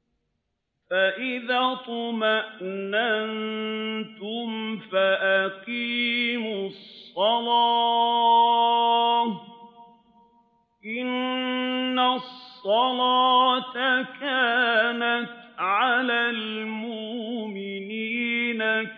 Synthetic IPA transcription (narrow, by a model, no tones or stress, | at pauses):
faʔɪðaːt̪ˤɑmaʔnannt̪ʊmfaʔaqiːmʊsˤːɑlaː | ʔɪnː | asˤːɑlaːt̪akaːnat̪ʕalaːlmʊʔmɪniːna